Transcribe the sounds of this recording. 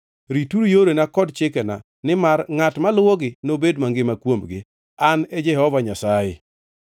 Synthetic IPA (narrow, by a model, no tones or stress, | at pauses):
ɾituɾjoɾenakɔdt͡ʃɪkɛna̰ | nɪmarŋatmalwoɡɪnobedmaŋɡɪmakwomɡɪ̰ | aned͡ʒɛhɔvaɲasajɪ̰